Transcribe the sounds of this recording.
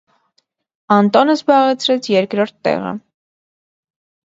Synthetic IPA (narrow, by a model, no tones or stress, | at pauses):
ɑnt̪ɔnəzbɑʁɛt͡sʰɾɛt͡sʰjɛɾkɾɔɾt̪ːɛ̰ʁə̰